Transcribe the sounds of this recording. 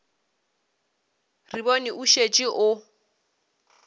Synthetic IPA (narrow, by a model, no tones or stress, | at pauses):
ribɔniʔuʃet͡ʃʼiʔʊ